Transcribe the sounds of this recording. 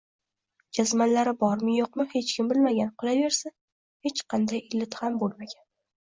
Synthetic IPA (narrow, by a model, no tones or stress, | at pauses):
d͡ʒazmanlaɾɪbɒɾmɪjoqmɪhe̞t͡ʃkʲɪmbɪlmaɡʲanqʰʊlˠave̞ɾsa | he̞t͡ʃqʰɑnd̪ajɪlːɪt̪hambolˠmaɡʲan